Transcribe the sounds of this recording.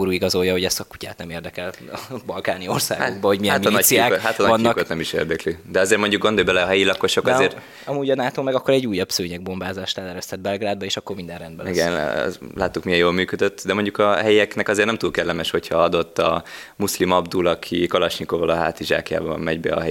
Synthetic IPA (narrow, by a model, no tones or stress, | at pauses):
ɾuːiɡɒzo̞jːɒho̞ɟɛsɒkucaːt̪nɛmeːrd̪ɛkɛlbɒlkaːniorsa̰ːɡaoɡ̚bɒho̞ɟmijɛaminɒiaːk̪ɦat̪ɒnɒɒnːkot̪nɛmiʃḛːrd̪ɛklyd̪ɛɒzeːrmo̞ɲɟuk̚ɡo̞nd̪ojbɛlɛɒɦɛjilɒkːoʃokɒzeːr | ɒmuːɟɒnaːt̪oːmɛɡɒkːo̞ɾɛɟːuːjɒbsøːɲɛɡ̚bo̞mbaːzaːʃt̪aːlɛɾɛst̪ɛd̪̚bɛlɡraːd̪bɒeːʃɒkːo̞rmind̪ɛnrɛnd̪bɛliɡɛn̰lʔaːt̪ːukmijɛjoːlmyːkød̪øt̪ːd̪ɛmo̞ɲɟukɒɦɛjɛknɛkɒzeːrnɛmt̪uːlkɛlːɛmɛʃho̞cʰhɒɒd̪o̞t̪ːɒ | muslimɒbd̪ulɒkʰikɒlɒʃnikovɒlɒɦa̰ːt̪iʒa̰ːkja̰ːbɒ̰mmɛɟbɛ̰ɒ̰ɦɛ